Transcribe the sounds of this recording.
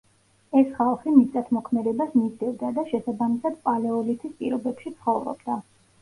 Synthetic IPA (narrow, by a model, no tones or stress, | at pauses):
ɛsχalˠχimit̪ʼat̪ʰmɔkʰmɛd̪ɛbasmizd̪ɛvd̪ad̪aʃɛsabamisad̪̥pʼalɛɔlit̪ʰispʼḭɾɔbɛpʃit̪sʰχɔvɾɔ̰bd̪a